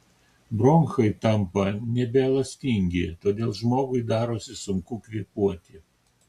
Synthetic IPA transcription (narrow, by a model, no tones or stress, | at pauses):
bɾoŋxɐɪt̪ɐmpɐnʲɛbʲɛlˠɐsʲt̪ʲɪŋʲɡʲɪt̪oːd̪ʲeːlˠʒmoːɡʊɪd̪ɑːɾoːsʲɪsʊŋkuːkʋʲiɛpuɔt̪ʲɪ